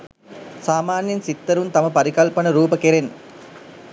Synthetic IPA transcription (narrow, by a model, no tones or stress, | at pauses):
saːmaːnjɐnsit̪ːɐɾunt̪ɐmɐpɐɾikɐlpɐnəɾuːpəkeɾen